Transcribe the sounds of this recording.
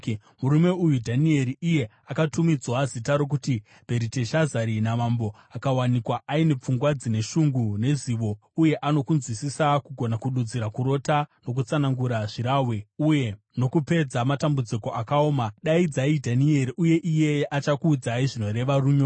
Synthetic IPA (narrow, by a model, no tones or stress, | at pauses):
muɾume̞ujudʱanie̞ɾiije̞ | akatumid͡zwazitaɾo̞k̬uti | b̥ʱe̞ɾite̞ʃazaɾinamambo̞ | akawanikwaʔaine̞p͡fuŋɡwad͡zine̞ʃuŋɡune̞ziːʋo̞ | uje̞ʔano̞kunzwisisakuɡʱo̞nakuɗud͡ziɾakuɾo̞tano̞k̬ut͡sanaŋɡuɾaʐiɾaːwe̞uje̞ | no̞kupe̞d͡zamatambud͡ziko̞ʔakaoːmaɗaid͡zaidʱanie̞ɾiʔuje̞ʔije̞ʔat͡ʃakuːd͡zaiʐino̞ɾe̞ʋaruːɲo